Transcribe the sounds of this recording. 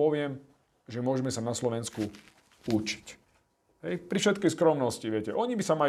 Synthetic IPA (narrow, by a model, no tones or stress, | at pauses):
ɔʋɪɛm | ʒɛmʊɔʒɛmɛsanaslɔʋɛnsku | ut͡ʃi̥c | ɦɛjpɾifʃɛt̪kɛjskɾɔmnɔsciʋɪɛcɛʔɔɲibisama